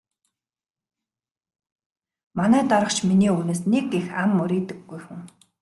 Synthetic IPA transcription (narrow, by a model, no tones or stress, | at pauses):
manæːt̪ɔɾə̆χt͡ɕminiːuːneːsnekexamːʊɾiːt̪ɘ̆ɡːujxuŋ